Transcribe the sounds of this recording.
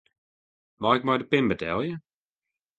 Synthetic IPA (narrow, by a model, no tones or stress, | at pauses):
maɪk̚majdəpɪnbətʰɛlˠjə